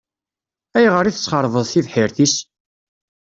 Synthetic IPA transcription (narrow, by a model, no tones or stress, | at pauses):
æjʁəɾiθə̥t͡sːχəɾˤvəðˤθiðħɪɾθis